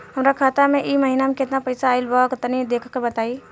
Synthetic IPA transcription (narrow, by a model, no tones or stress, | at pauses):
ɦəmɾakʰat̪ameʔiməɦinamẽket̪napəjsaːɪlbəkət̪nid̪ekʰəkːebət̪ai